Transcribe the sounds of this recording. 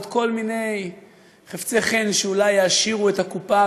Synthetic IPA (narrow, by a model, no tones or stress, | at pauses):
t̪ko̞lmine̞j | χeft͡seχe̞nʃeulajːaʃiʁuet̪akupa